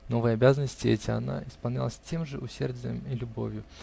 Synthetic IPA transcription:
no̞vəjəɐbʲazənəsʲtʲɪɛtʲɪɐ̰na̰ʔɪspɐlˠnʲalˠəsʲtʲe̞mʐɨʔʊsʲerdʲɪjə̰milʲʊbo̰vʲjʊ

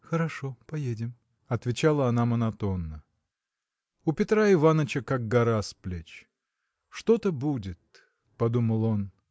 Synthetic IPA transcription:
xəɾɐʂo̞pɐjedʲɪm | ɐt̪vʲɪt͡ɕalˠəɐnamənɐt̪o̞nːə | ʊpʲɪt̪ɾaɪvanət͡ɕəkak̚ɡɐɾasplʲet͡ɕ | ʂt̪o̞t̪əbudʲɪt̪̚ | pɐd̪uməlˠon

